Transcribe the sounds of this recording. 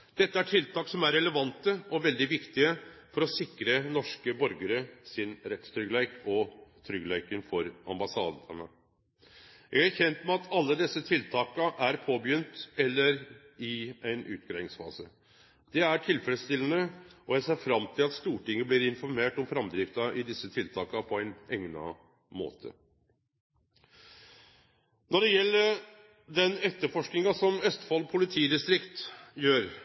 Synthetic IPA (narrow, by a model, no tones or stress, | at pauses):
d̪̥ɛt̪ːəæʈʰɪlt̪ʰɑːksɔmæɾɛləʋɑnt̪əɔʋɛld̪ɪʋɪkt̪ɪəfɔɾɔsɪkɾənɔʂkəbɔɾɡəɾəsɪnɾɛt̪st̪ʰɾʏɡlæɪkɔt̪ʰɾʏɡlæɪkənfɔɾɑ̰mbɑsɑ̰ːd̪ə̰nə̰ | jæɡæɾçɛnt̪mɛɑt̪ʰɑlːəd̪ɛsːət̪ʰɪlt̪ʰɑːkɑʔæɾpʰoːbjʏnt̪ɛlːəɾ | ɪæɪnʔʉ̰ːt̪̚ɡɾæɪɪŋsfɑ̰ːsə | d̪̥ɛæʈʰɪlfɛləst̪ɪlːənəɔjæɪseːɾfɾɑmt̪ʰɪlɑt̪st̪uːʈɪŋːəblɪːɾɪnfɔɾmeːʈɔmfɾɑmd̪ɾɪft̪ɑʔɪd̪ɪsːət̪ʰɪlt̪ʰɑːkɑpʰɔæɪnɛŋnɑ̰ | mo̰ːt̪ʰə̰ | nɔɖɛjɛlːəɾ | d̪ɛnɛt̪ːəɾfɔʂknɪŋɑsɔmœst̪fɑlːpʰʊlɪt̪ʰiːd̪ɪst̪ɾɪkt̪jøːɾ